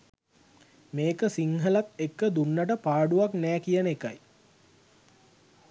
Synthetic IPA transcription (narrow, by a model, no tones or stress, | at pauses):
meːkəsiŋɦəlat̪ekːəd̪unːəʈəpaːɖuʋaknæːkijənekaj